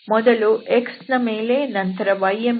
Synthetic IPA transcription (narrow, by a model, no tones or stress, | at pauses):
mɔd̪ɐluʔeksnɐmeːleːnɐnt̪ɐɾɐʋɐjem